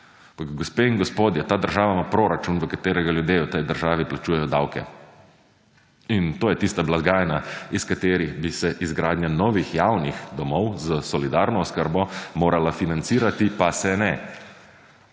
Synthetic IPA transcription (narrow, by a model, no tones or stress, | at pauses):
ampakɡɔspeːiŋɡɔspoːd̪jɛt̪aːd̪əɾʒaːʋamapɾoːɾat͡ʃunʋəkat̪eːɾɛɡaljud̪jeːwt̪ɛjd̪əɾʒaːʋiplat͡ʃuːjɛjɔd̪awkɛ̰ | int̪oːjɛt̪ist̪ablaɡaːjnaiskat̪eːɾiɣbisɛʔizɡɾaːd̪njanɔːʋixjawnixd̪ɔmɔwzəsɔlid̪aːɾnɔɔskəɾbɔmoːɾalafinant̪siːɾat̪ipasɛnɛ